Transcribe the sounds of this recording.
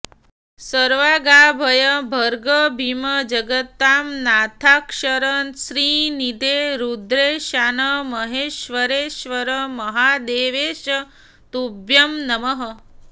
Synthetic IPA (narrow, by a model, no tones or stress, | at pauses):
səɾʋaːɡaːbʱɐjəbʱəɾɡəbʱiməd͡ʒɐɡət̪ːaːmnaːt̪ʰaːkʂəɾənsɾiːnid̪eɾud̪ɾeʃanəmɐɦeːʃʋəɾeːʃʋəɾəmɐɦaːd̪eːʋeːʃə | t̪ubjɐmnɐməɦə